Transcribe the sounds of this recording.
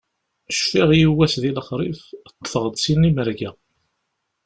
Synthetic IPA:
ʃfiʁjiwːæsðiləχɾˤift̪ːθʁəd̪ˤsinːiməɾɡæ

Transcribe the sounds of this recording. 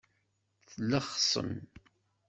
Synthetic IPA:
θləχsˤə̰n

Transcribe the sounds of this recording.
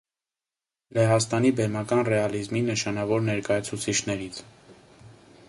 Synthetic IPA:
lɛɦɑst̪ɑnibɛɾmɑkɑnrɛɑlizminəʃɑnɑvɔɾnɛɾkɑjɑt͡sʰut͡sʰit͡ʃʰnɛɾit͡sʰ

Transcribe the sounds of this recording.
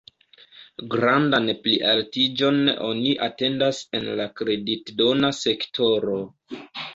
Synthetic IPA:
ɡɾandanpliʔaltid͡ʒo̞no̞̰niʔate̞ndase̞nlakɾe̞ditdo̞nase̞ktʰo̞ɾo̞

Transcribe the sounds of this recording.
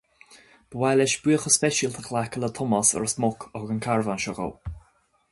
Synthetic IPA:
b̥əwalɛʃb̥iəxəspɛʃəlt̪ʰəxlakələt̪ʰʊmɔsə̰ɹəsmʊkʰɔhɡənkʰaɹvanʃɔɣə̰l

